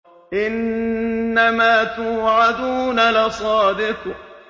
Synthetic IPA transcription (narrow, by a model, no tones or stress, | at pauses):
ʔɪnː | amaːt̪uːʕad̪uːnalɪsˤɑːd̪ɪq